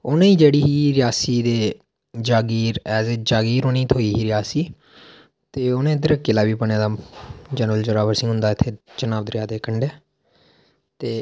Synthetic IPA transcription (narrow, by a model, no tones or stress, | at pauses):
ʊnẽːiːd͡ʒeːɽiːɦiːɾɪjaːsiːd̪eː | d͡ʒaːɡiːɾɛːzeːd͡ʒaːɡiːɾoːnĩːt̪ʰoːiːɦiːɾɪjaːsiː | t̪eːʊnẽːd̪əɾəkːiːlaːʋiːpəɳaːd̪aːd͡ʒɛːnʋəld͡ʒəɾaːʋəɾsɪ̃ŋɡɦʊ̃nd̪aːɪt̪ʰːeːt͡ʃənaːbd̪əɾɪjaːd̪eːkəɳɖeː | t̪eː